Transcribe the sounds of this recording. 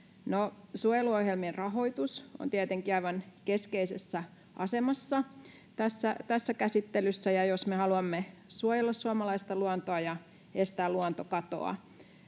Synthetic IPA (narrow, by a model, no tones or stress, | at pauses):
nosuojeluohjelmierrɑɦo̞it̪uso̰nt̪iæt̪eŋkiɑiʋɑnkeskeisesːæ | ʔɑsemɑsːɑ | t̪æsːæt̪æsːækæsit̪ːelysːæjɑjosmehɑluɑmːesuojelːɑsːuɑmɑlɑist̪ɑluɑnt̪oɑjɑ | est̪æːluɑnt̪okɑt̪o̰ɑ̰